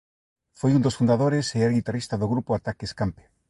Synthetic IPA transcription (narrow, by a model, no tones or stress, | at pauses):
fojund̪osfund̪aðoɾeseɛɾɣit̪arist̪aðoɣɾupoat̪akeskampe̥